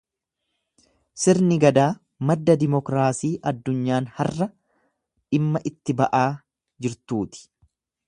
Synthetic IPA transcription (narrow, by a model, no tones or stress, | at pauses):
sɪɾnɪɡɐd̪aː | mɐd̪ːɐd̪ɪmɔkɾaːsiːʔɐd̪ːʊɲːaːnhɐrːɐ | ᶑɪmːɐʔɪt̪ːɪbɐʔaː | d͡ʒɪɾt̪uːt̪ɪ̥